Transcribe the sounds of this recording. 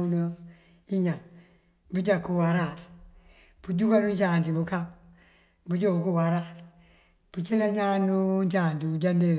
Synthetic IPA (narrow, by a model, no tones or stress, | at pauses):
uno | iɲa | bud͡ʒakːuwaɾat | b̥ud͡ʒukanuɲt͡ʃaːntibukap | bud͡ʒokuwaɾat | b̥ut͡ʃilaɲaːnuɲt͡ʃaːntibud͡ʒande